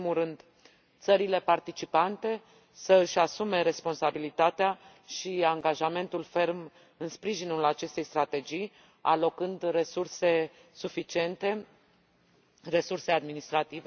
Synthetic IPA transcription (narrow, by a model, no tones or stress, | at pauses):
imulɾɨnd̪ | t̪səɾile̞part̪it͡ʃipant̪e̞ | səɨʃʲasume̞ɾe̞spo̞nsabilit̪at̪ea | ʃiaŋɡaʒame̞nt̪ulfe̞rm | ɨnspɾiʒinulat͡ʃe̞st̪e̞jst̪ɾat̪e̞d͡ʒij | a̰lo̞kɨnd̪re̞surse̞ | sufit͡ʃie̞nt̪e̞ | re̞surse̞ad̪minist̪ɾat̪ive